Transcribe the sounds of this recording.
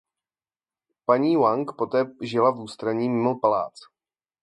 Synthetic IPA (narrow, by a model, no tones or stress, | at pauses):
paɲiːwaŋkpo̞t̪ɛːʒɪlavuːst̪ɾaɲiːmɪmopala̰ːt͡s